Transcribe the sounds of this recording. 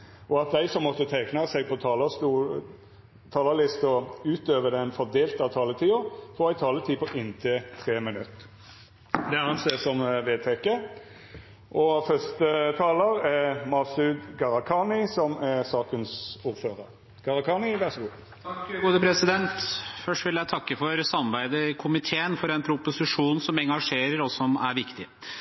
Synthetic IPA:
ʔɔɑt̪̚d̪æɪsɔmːɔt̪ːət̪ʰæɪknɑsɛɡ̚pʰɔt̪ʰɑːləst̪u | t̪ʰɑːləlɪst̪ɔʉːt̪øːʋəd̪ɛnfɔʁd̪eːlt̪ɑt̪ʰɑːlət̪ʰiːʊfɔːʁæɪt̪ʰɑːlət̪ʰiːpʰɔʔɪnt̪ʰet̪ʰʁeːmɪnʉt̪ː | d̪ɛæɑnseːsɔmʋeːt̪ʰeːkə | ʔɔfœst̪ət̪ʰɑːləʁɛmɑsʉd̪ɡɑʁɑkʰɑnɪsɔmɛsɑːkənsuːɾføːʁəʁ | ɡ̥ɑʁɑkʰɑːnɪʋæʁsɔɡuː | t̪kɡuːd̪əpʰɾɛsɪd̪ɛnt̪fœʂʈʋɪljæɪt̪ʰɑkːəfɔɾsɑmɾbæɪd̪əkʰʊmɪt̪ʰeːənfɔɾɛnpʰɾʊpʊsɪʂuːnsɔmɛŋɡɑʂeːɾəɾɔsɔmæɾʋɪkt̪ɪ

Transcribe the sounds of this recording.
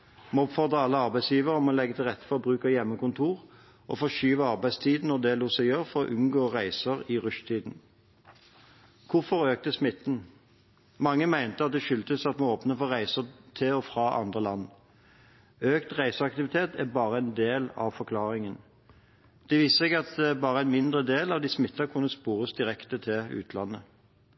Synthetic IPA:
moːɔpfɔʁd̪ʁəɑlːəɑʁbæɪsjiːʋəʁɔmɔːlɛɡːət̪ʰɪlʁɛt̪ːfɔʁɔbʁʉːkɑjɛmːəkʊnt̪ʰuːʁ | ʔɔ̰fɔʃyːʋəɑʁbæɪst̪ʰiːd̪n̩ɔd̪ɛluːsɛjøːʁfɔʁɔ̰ʔʉnɡoːʁæɪsəʁiʁʉʃt̪ʰiːd̪n̩ | kʰʊfɔʁøːk̚t̪əsmɪt̪ːn̩ | mɑŋːəmæɪnt̪əɑt̪̚d̪ɛʃʏlt̪əsɑt̪mɑnoːpnəfɔʁæɪsət̪ʰɪɔfʁɑːʔɑ̰nd̪ʁəlɑnː | øːkt̪ʁæɪsəɑkt̪ɪʋɪt̪ʰeːt̪æbɑːʁəæɪnd̪eːlɑ̰ʋfɔʁkʰlɑːʁɪŋən | d̪̥ɛʋiːsəsɛɡɑt̪̚d̪ɛbɑːʁəæɪnmɪnd̪ʁəd̪eːlɑʋd̪iːsmɪt̪ːɑkʰʉnːəspuːʁəsd̪ɪʁɛkt̪ət̪ʰɪʉ̰ːt̪ʰlɑnːə

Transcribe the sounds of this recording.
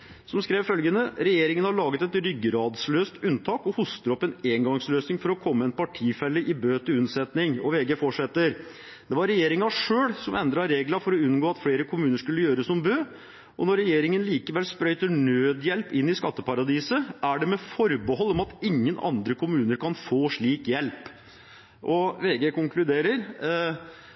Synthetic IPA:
sɔmskɾeːʋfœlɡənəɾɛjeːɾɪŋənhɑɭɑːɡət̪ɛt̪ɾʏɡːəɾɑːd̪sløːst̪ʉnt̪ʰɑːkɔhʊst̪əɾɔpːɛneːŋɡɑŋsløːsnɪŋfɔɾɔkʰɔmːəɛnpɑʈʰiːfɛlːəʔɪbøːt̪ʰɪʉnsɛt̪nɪŋɔʋeːɡefɔʂɛt̪ːəɾ | d̪̥ɛʋɑɾːɛjeːɾɪŋɑʂøːɽsɔmɛnd̪ɾɑɾeːɡlɑfɔɾɔʉnɡoːɑt̪fleːɾəkʰʊmʉːnəʂkʉlːəjøːɾəsɔmbøː | ʔɔ̰nɔɾːɛjeːɾɪŋənliːkəʋɛlspɾœʏt̪əɳøːd̪jɛlpɪnːɪskɑt̪ːəpɑɾɑd̪iːsəʔæɖɛmɛfɔɾbəɦɔlːɔmɑt̪ɪŋːənɑ̰nd̪ɾəkʰʊmʉːnəɾkʰɑnfoːʂɭiːkjɛlp | ʔɔʋeːɡeːkʊŋklʉd̪eːɾəɾ

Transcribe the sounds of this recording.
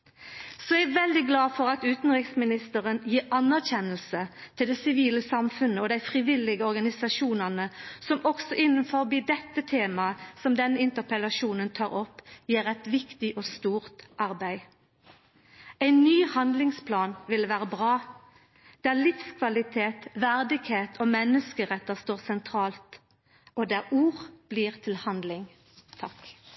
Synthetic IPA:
sɔæɪʋɛld̪ɪɡlɑːfɔʁɑt̪ʉːt̪n̩ʁɪksmɪnɪst̪əʁənjiːʁɑnæʁçɛnəlsət̪ʰɪld̪ɛsɪʋiːləsɑmfʉnəɔd̪æɪfʁɪʋɪlɪɡəɔʁɡɑnɪsɑʃuːnɑnəsɔmɔksɔʔɪnːənfɔʁbiːd̪ɛt̪ːət̪ʰeːmɑəsɔmd̪ɛnːəɪnt̪əʁpɛlɑʃuːnənt̪ʰɑːʁɔpːjiːʁɛt̪ʋɪkt̪ɪʔoːst̪uːʁt̪ʔɑʁbæɪ | æɪnnyːhɑnd̪lɪŋspʰlɑːnʋɪlʋæːʁəbʁɑː | d̪̥ælɪfskʰʋɑlɪt̪ʰeːt̪ʋæʁd̪ɪɡheːt̪ʰoːmɛnːəskəʁɛt̪ːəst̪oːʁsɛnt̪ʰʁɑːlt̪ | ɔd̪æuːʁb̥liːʁt̪ʰɪlhɑnd̪lɪŋ | t̪ʰɑk

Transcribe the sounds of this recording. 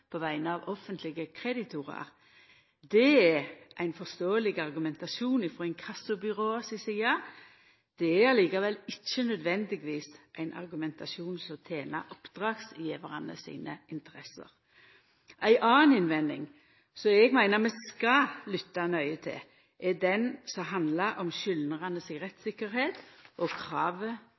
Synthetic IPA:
pʰɔʋæɪnəɑʋɔfənt̪ʰlɪɡəkʰʁɛd̪ɪt̪ʰʊʁɑ̰ɾ | d̪ɛæʔæɪnfɔst̪oːəlɪɡɑɾɡʉmɛnt̪ɑʃuːnɪfʁoːɛŋkʰɑsʊbʏɾoːsɪsiːɑ | d̪̥ɛæɑliːkɑʋɛlɪt͡ʃːənœd̪ʋɛnd̪ɪɡʋiːsʔæɪnʔɑ̰ɾɡʉmɛnt̪ʰɑʃuːnsɔmt̪ʰeːnɑ̰ʔɔpd̪̥ʁɑːɡsjiːʋəʁɑnə̰sḭːnə̰ɪnt̪əɾɛsə̰ɾ | ʔæɪʔɑːnɪnʋɛnːɪ̰ŋ | sɔɛɡmæɪnəmɛskɑlʏt̪ːɑnœʏət̪ʰɪ̰ | ʔɛd̪ɛnsɔɦɑnd̪lɑɾʔɔmʃʏlnəʁɑnəsɪɡʁɛt̪sɪkːəɾheːt̪ʔɔkʰɾɑːʋə

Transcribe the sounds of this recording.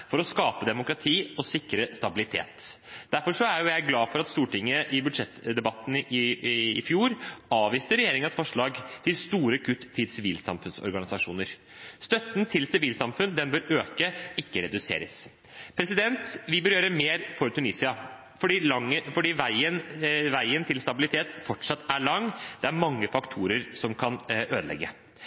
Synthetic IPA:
fɔɾɔskɑːpəd̪ɛmʊkɾɑt̪ʰiːɔsɪkːɾəst̪ɑbɪlɪt̪ʰḛːt̪d̪̥æɾfɔʂɔæɾjʊjæɪɡlɑːfɔɾɑt̪st̪uːʈɪŋːəʔɪbʉd̪ʂɛt̪ːd̪ɛbɑt̪ːn̩ɪfjuːɾɑːʋiːst̪əɾɛjeːɾɪŋənsfɔʂɭɑːɡt̪ʰɪlst̪uːɾəkʰʉt̪ʰːɪlsɪʋiːlsɑ̰mfʉnsɔ̰ɾɡɑnɪsɑʂuːnəɾ | st̪œt̪ːnt̪ʰɪlsɪʋiːlsɑmfʉnd̪ɛnbøːɾøːkəɪkːəɾɛd̪ʉsḛːɾəs | pʰɾɛsɪd̪ɛnt̪ʋɪbœɾjøːɾəmeːɾfɔɾt̪ʉniːsɪɑ | fɔɖiːlɑŋːəfɔɖiːʋæɪənʋæɪənt̪ʰɪlst̪ɑbɪlɪt̪ʰeːt̪fɔʈʂɑt̪ːæɭɑŋːd̪̥ɛæɾmɑŋːəfɑkt̪ʰuːɾəɾsɔmkʰɑnøːd̪əlɛ̰ɡːə

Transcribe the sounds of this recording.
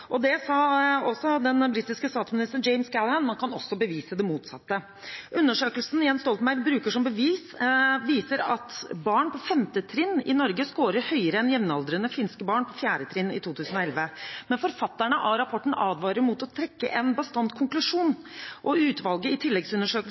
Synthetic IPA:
ʔɔd̪ɛsɑːɔsɔd̪ɛnbɾiːt̪ɪskəst̪ɑːt̪smɪnɪst̪əɳd͡ʒɛɪmskælhænmɑnkʰɑnɔsːɔbəʋiːsəd̪ɛmuːt̪sɑ̰t̪ːə | ʔʉnːəʂøːkəlsn̩jɛnst̪ɔlt̪mæɪɾbɾʉːkəʂɔmbəʋiːsʋiːsəɾɑt̪bɑːɳpʰɔfɛmt̪ət̪ʰɾɪnːɪ̰nɔɾɡəskoːɾəɾhœʏəɾəɛnjɛmnɑld̪ɾənəfɪnskəbɑːɳpʰɔfjæːɖət̪ʰɾɪnːɪ̰t̪ʰuːt̪ʰʉːsən̩ɔɛlʋəmɛnfɔɾfɑt̪ːəɳəʔɑɾɑpʰɔʈːɳ̩ɑːd̪ʋɑːɾəɾmut̪ɔt̪ʰɾɛkːə̰ʔɛnbəst̪ɑnt̪kʰʊŋklʉʂuːnʔɔʉːt̪ʋɑlɡəɪt̪ʰɪlːɛɡsʉnːəʂøːkəl

